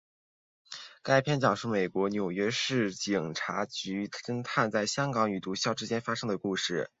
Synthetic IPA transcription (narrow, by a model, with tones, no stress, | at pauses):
ka˥ɪpʰjɛ˥nt͡ɕjɑ˨˩ŋʂu˥˩me˨˩ɪkwɔ˧˥njo˨˩ʊɥɛ˥ʂɻ̩˥˩t͡ɕi˨˩ŋʈ͡ʂʰa˧˥t͡ɕy˧˥ə˥ŋt̪ʰa˥˧nt͡sa˥˩ɪɕjɑ˥ŋkɑ˧˥ŋy˨˩t̪u˧˥ɕjɑ˥˧ʊʈ͡ʂɻ̩˥t͡ɕjɛ˥nfa˥ʂɤ˥ŋd̪ə˨ku˥˧ʂɻ̩˥˩